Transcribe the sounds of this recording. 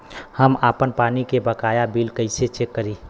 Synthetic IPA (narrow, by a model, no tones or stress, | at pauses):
həmaːpənpaːnikebəkaːjabiːlkəɪset͡ʃekːəɾi